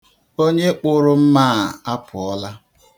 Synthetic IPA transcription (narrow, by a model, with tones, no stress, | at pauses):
o˦ɲe˦k͡pʊ˦ɾʊ˦m̩˦maː˦˨a˦pʰʊ˨ɔ˦la˦